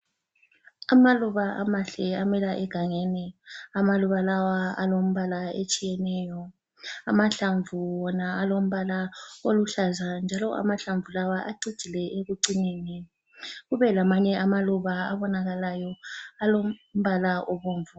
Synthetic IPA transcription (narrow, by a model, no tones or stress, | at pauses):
amaluβaʔa̰maɬɛamɛlaʔɛɡ̥ʱaŋenɛamaluβalawaa̰lom̩βalaet͡ʃʼijɛnɛːjɔ | amaɬaɱvuwɔnaalom̩βalaoluɬazand͡ʒʱalɔʔa̰maɬaɱvulawaʔaɡ͡ǀid̥ʒ̥ʱilɛʔeɣuǀineni | ɣuβɛlamaɲɛʔamaluβaaβɔnaɣalajɔalom̩βalaoβoːɱvu